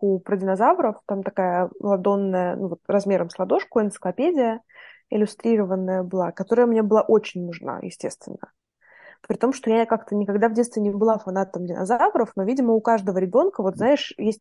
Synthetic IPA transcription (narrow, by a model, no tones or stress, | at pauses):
upɾədʲɪnɐzavɾəft̪amt̪ɐkajəməlˠɐd̪o̞nːəjənuvo̞t̪rɐzmʲe̞ɾəmslˠɐd̪o̞ʂkʊɪnt̪sɨ̥klˠɐpʲedʲɪjə | ɪlʲʊst̪ɾʲiɾəvənːəjəbɨlˠakɐt̪o̞ɾəjəmnʲe̞bɨlˠaʔo̞t͡ɕɪnʲnʊʐna̰jɪ̰sʲtʲe̞st̪vʲɪ̰nːə | pɾʲɪt̪o̞mʂt̪o̞jakakt̪ənʲɪkaɡd̪avdʲet̪st̪vʲɪnʲɪbɨlˠafɐnat̪əmdʲɪnɐ̰zavɾəfno̞vʲidʲɪməʊkaʐd̪əvəɾʲɪbʲo̞nkəvo̞t̪znaɪʂjesʲt̚ʲ